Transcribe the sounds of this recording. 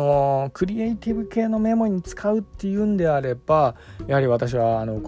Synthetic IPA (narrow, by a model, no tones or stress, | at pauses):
o̞kɯ̟ɾʲieit̪ʲibɯ̟ke̞ːno̞me̞mo̞ɲ̟it͡sɨ̥kʰaɯ̟t̪ːe̞jɯ̟̃ːnd̪e̞aɾe̞b̥ajahaɾʲiβat̪aɕ̬iβaːno̞ːk